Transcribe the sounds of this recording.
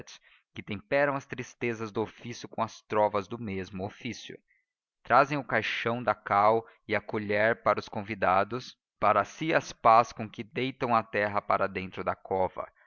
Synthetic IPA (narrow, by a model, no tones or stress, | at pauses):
ts | kɪt̪ẽmpɛɾɐ̃w̃ɐst̪ɾist̪ezɐzd̪ʊofisjʊkõw̃ɐst̪ɾɔvɐzd̪ʊmezmʊofisjʊ̰ | t̪ɾazẽj̃ʊkajʃɐ̃w̃d̪ɐkaw | ɪɐkoʎɛɾpaɾɐʊskõvid̪ad̪ʊs | paɾɐsiɐspaskõkɪd̪ejt̪ɐ̃w̃ɐt̪ɛɦɐpaɾɐd̪ẽnt̪ɾʊd̪ɐkʰɔvɐ̰